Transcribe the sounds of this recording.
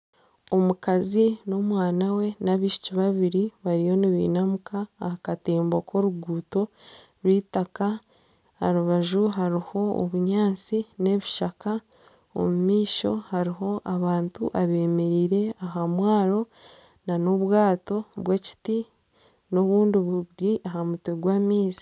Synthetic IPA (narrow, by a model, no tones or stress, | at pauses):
o̞mukazino̞mwaːnawe̞naβiːʃu̥ciβaβiɾiβaɾijo̞niβḭːnamukaːhakateːmboko̞ɾuɡuːto̞ | ɾwiːtaka | ha̰ɾuβaʒuɦaɾiho̞o̰βuɲaːnt͡sine̞βiʃaka | o̰mumiːʃo̞̰haɾiɦo̞ʔaβaːntṵʔaβe̞ːme̞ɾiːɾe̞aɦamwaːɾo̞ | nano̞βwaːto̞βweci̥ti | no̞βuːndiβuɾiʔaɦamuteɡwaːmiːsi̥